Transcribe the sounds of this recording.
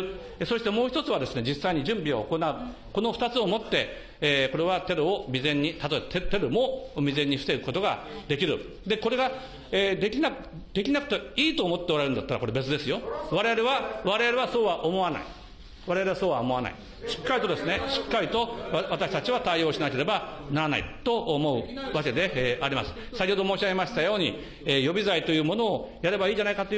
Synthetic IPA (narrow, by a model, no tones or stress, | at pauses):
ɯ | eso̞ɕi̥t̪e̞mo̞ːçi̥t̪ot͡sɨβ̞ad̪e̞sɨne̞d͡ʑisːaiɲ̟iʑɨ̃mbʲioːko̞naɯ̟ | ko̞no̞ɸɯ̥t̪at͡sɨomo̞t̪ːe̞ | eːko̞ɾe̞βat̪e̞ɾɯomʲizẽ̞ɲ̟ːit̪at̪o̞ebat̪et̪e̞ɾɯ̟mo̞mʲizẽ̞ɲ̟ːiɸɯ̥t̪ekɯ̥ko̞t̪o̞ɡa̰d̪e̞kʲiɾɯ̟ | d̪e̞ko̞ɾe̞ɡa | eːd̪e̞kʲinak | d̪̥e̞kʲinakɯ̟t̪eiːt̪o̞ːmo̞t̪ːeɾaeɾɯ̟nd̪at̪ːaɾako̞ɾe̞be̞t͡sɨd̪e̞sɨjo̞βaɾe̞aɾeβaβaɾe̞ɾeβaso̞ːβaʔomo̞βana̰i | βaɾeaɾeaso̞ːβaomo̞ana̰ḭ | ɕi̥kːaɾʲit̪o̞d̪e̞sɨneɕi̥kːaɾʲit̪o̞βat̪aɕi̥t̪at͡ɕiβat̪aio̞ːɕinake̞ɾe̞banaɾana̰ḭt̪o̞omo̞ɯ̟βake̞d̪e̞ːaɾʲimasɨ̥ | sakʲeːd̪omo̞ːɕaɡemaɕi̥t̪ajo̞ːɲ̟i | ejo̞bʲizait̪o̞jɯ̟ːmo̞no̞ːjaɾe̞baiːʑanaikat̪o̞j